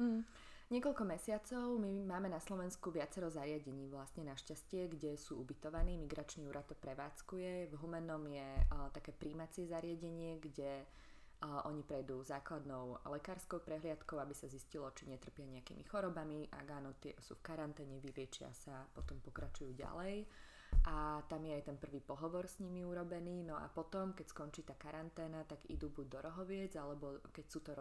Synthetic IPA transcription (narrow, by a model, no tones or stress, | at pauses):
m̩ɦ̩ | ɲɪɛkɔlkɔmɛsɪat͡sɔʊmimaːmɛnaslɔʋɛnskuʋɪat͡sɛɾɔzaɾɪaɟɛɲiːʋlast̪ɲɛnaʃcascɪɛɡɟɛsuːubit̪ɔʋaniːmiɡɾat͡ʃniːuːɾat̪ːɔpɾɛʋaːt͡skujɛvɦumɛnɔmjɛt̪akɛːpɾiːmat͡sɪɛzaɾɪaɟɛɲɪɛɡɟɛ | ʔɔɲipɾɛjd̪uzaːklad̪nɔʊlɛkaːɾskɔʊpɾɛɦlɪat̪kɔʊabisaziscilɔt͡ʃiɲɛt̪r̩pɪaɲɛakḭːmḭxɔɾɔbamiʔa̰ɡaːnɔt̪ɪɛsṵːfkaɾant̪ɛːɲɛʋilɪɛt͡ʃɪa̰sapɔt̪ɔmpɔkɾat͡ʃujuːɟa̰lɛj | ʔat̪amjɛajt̪ɛnpr̩ʋiːpɔɦɔʋɔɾsɲimiuɾɔbɛniːnɔa̰pɔt̪ɔmkɛcskɔnt͡ʃiːt̪aːkaɾant̪ɛːnat̪aɡḭd̪uːbuɟ̚d̪ɔɾɔɦɔʋɪɛd͡zalɛbɔkɛcsuːt̪ɔɾ